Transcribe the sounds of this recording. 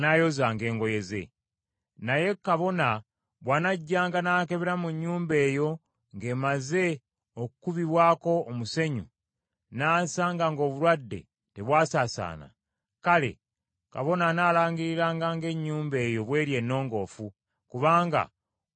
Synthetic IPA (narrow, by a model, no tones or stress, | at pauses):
najo̞zaːŋɡe̞ːŋɡo̞je̞ze̞̰ | naje̞kːaβo̞na | βwaːnaɟːaːŋɡanaːke̞βeɾamuɲːuːmbe̞ːjo̞ | ŋɡe̞ːmaze̞ | okukuβiβwaːko̞ːmuse̞ɲṵ | naːsaŋɡaŋɡo̞ːβulwadːe̞̰ | te̞βwaːsaːsa̰ːna̰ | kale̞̰ | ka̰βo̞nanaːlaːɲɡiɾiɾaːŋɡaŋɡe̞ɲːuːmbe̞ːjo̞βwe̞ːɾje̞nːo̞ːŋɡo̞ːfu | kuβaːŋɡa̰